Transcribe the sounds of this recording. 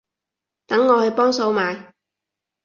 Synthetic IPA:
t̪ɐ˨˥ŋːɔː˨˧hɵ˨˧jpɔː˥ŋso˧wmaː˨˧j

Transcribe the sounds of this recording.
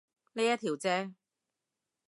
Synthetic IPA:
niː˥jɐ˥t̪ʰiː˨˩wt͡sɛː˥

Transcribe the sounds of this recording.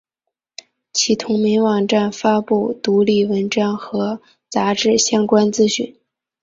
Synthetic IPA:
t͡ɕʰi˧˥˩t̪ʰʊ˧˥ŋmi˧˥ŋwɑ˨˩ŋʈ͡ʂa˥˩nfa˥pu˥˩t̪u˧˥li˥˩wə˧˥nʈ͡ʂɑ˥ŋxɤ˧˥ | t͡sa˧˥ʈ͡ʂɻ̩˥˩ɕjɑ˥ŋkwa˥nt͡sɹ̩˥ɕy̰˥˩n

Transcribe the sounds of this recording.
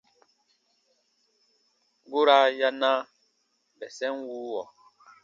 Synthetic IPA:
ɡu˦ɾa˦ja˦na˦ | bɛ˨sɛ˦nwuː˦wɔ˨

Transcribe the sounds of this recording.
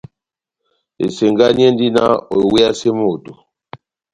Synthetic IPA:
ḛ˨se˨ŋɡa˦ɲɛ˦ndi˦na̰˦o˨we˦a˦se˦mo˦˨to˨

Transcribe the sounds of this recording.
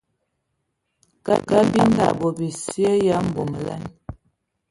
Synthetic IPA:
ka̰˦ka˦bi˦n˦da̰˨bɔ˨bi˨si˦ə˦ja˦m̩˨bo˨m˨la̰˦n

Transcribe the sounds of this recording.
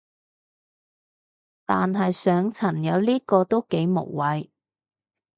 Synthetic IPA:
t̪aː˨nɦɐ˨jsœː˨˥ŋt͡sʰɐ˨˩njɐ˨˧˥wliː˥kɔː˧t̪o˥wke˨˥jmo̰˨˩wːɐ˨˧j

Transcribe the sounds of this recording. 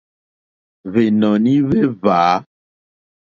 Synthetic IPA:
ve˨nɔ̃˨nĩ˦ve˦vaː˨˦

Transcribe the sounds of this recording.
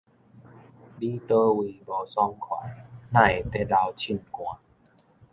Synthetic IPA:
diː˧˩t̪ɤː˧wiː˧˩bɔː˨˩˦sɔ˧˨ŋkʰɔ̰˨˩˦nna˧˩˨jt̪ɛ˧˩daː˧wt͡ɕʰi˧˩˨nkũ˨˧˨

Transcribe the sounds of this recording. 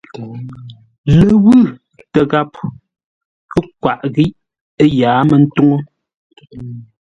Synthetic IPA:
le˨wʉ˦˨ | tɛ˨ɣa˦˨p̚ | kə˦k̚wa˨ʔɣi˦ʔ | e˦jaː˨˦mɛ˨n̩˦tu˦ŋo˦

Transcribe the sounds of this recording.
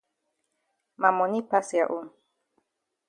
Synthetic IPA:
ma˨mɔ˨ni˦pa˦si˨a˨ʔu˦n

